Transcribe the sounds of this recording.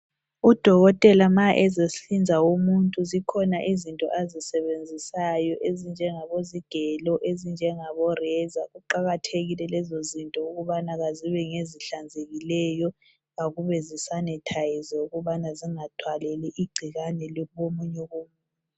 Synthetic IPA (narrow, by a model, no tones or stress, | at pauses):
ud̥ʱɔɣɔtʼɛlamaʔɛzesɬind͡zʱawomuntʼuzikʰɔnaʔizintʼɔ̰ʔazisɛβend͡zʱisajɔʔezind͡ʒʱɛŋaβoziɡ̥ʱɛlɔʔezind͡ʒʱɛŋaβɔrɛzaɣuǃaɣatʰeɣilɛlɛzozintʼɔuɣuβanaɣaziβɛŋeziɬand͡zʱeɣilɛjɔ | ɣaɣuβɛzisanɛtʰajizɛuɣuβanaziŋad̥ʰʱwalɛlɛʔiɡ͡ǀʱiɣanɛliβomuɲɛɣomuːnʼ | a